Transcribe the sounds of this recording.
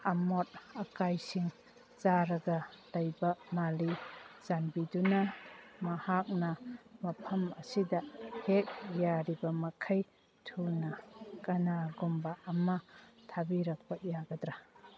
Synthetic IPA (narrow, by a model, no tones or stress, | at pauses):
ɐmot̚ɐkajsiŋ | t͡ʃaɾɐɡɐlɐjbɐmalizanbidunɐmɐhak̚nɐmɐpʰɐmɐsidɐhek̚jaɾibɐmɐkʰɐj | tʰunɐkɐnaɡumbaɐmɐtʰabiɾɐk̚pɐjaɡɐdɾa